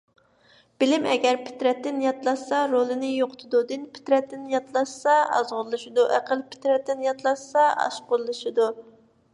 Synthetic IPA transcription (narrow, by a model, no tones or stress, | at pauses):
b̥ɪlɪmɛɡʲɛɾpʰɪ̥t̪ɾɛt̪ːɪnjɑt̪lˠɑʃsɑɾolˠɨnɪjoqʰʊ̥t̪ʰɨd̪ud̪ɨnpʰɪ̥t̪ɾɛt̪ːɪnjɑt̪lˠɑʃsɑɑ̰zʁʊɾlˠɨʃid̪uʔæqʰəlˠpʰɪ̥t̪ɾɛt̪ːɪnjɑt̪lˠɑʃsɑɑ̰ʃqʊɾlˠɨʃid̪u